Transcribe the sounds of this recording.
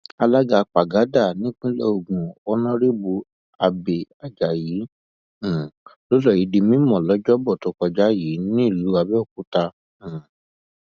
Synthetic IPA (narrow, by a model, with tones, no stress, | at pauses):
a˧la˦ɡa˧k͡pa˨ɡa˨˦da˦˨nĩ˦k͡pĩ˦lɔ˦o˧˨ɡũ˨ɔ˦nɔ̃˦ɾi˦bu˧ | a˧be˨a˨d͡ʒa˨jĩː˨˦˨ | lo˦lɔ˦˨ji˨˦di˧mĩ˦mɔ̃˨lɔ˨˦d͡ʒɔ˦bɔ˦˨to˨˦kɔ˧d͡ʒa˦ji˨˦nĩ˦i˦˨lu˨˦a˧bɛ˦˨k̚u˦tã˧˨